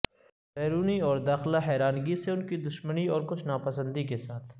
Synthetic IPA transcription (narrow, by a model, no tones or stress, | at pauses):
bɛːɾuːniɔːɾd̪aːxlaɦɛːɾaːnɡiseʊnkid̪ʊʃməniɔːɾkʊt͡ʃʰnaːpɐsə̃nd̪ikesaːt̪ʰ